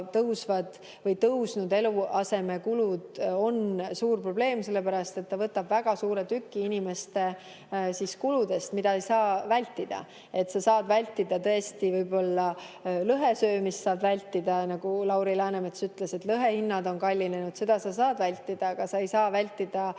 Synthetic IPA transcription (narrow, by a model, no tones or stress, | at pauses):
t̪ɤwsvɑd̪̥ | vɤjt̪ɤwsnud̪e̞luɑse̞me̞kulud̪̥o̞nsuːrpro̞ble̞ːmse̞lːe̞pæɾɑst̪e̞t̪ːɑvɤt̪ːˑɑbvæɡ̥ɑsuːɾe̞t̪ykːiinime̞st̪e̞ | siskulud̪e̞st̪mid̪ɑejsɑːvælʲt̪ːˑid̪̥ɑ̰ | e̞t̪ːsɑsɑːd̪vælʲt̪ːˑid̪̥ɑt̪ɤ̞e̞st̪ivɤjbo̞lːɑlɤɦesø̞ːmist̪sɑːbvælʲt̪ːˑid̪̥ɑnɑɡ̥ulɑwɾilæːnemet̪ːsyt̪ːˑle̞se̞t̪lɤɦe̞hinːɑd̪o̞nkɑlʲːine̞nud̪̥se̞d̪̥ɑsɑsɑːd̪vælʲt̪ːˑid̪̥ɑkɑsɑejsɑːvælʲt̪ːˑid̪̥ɑ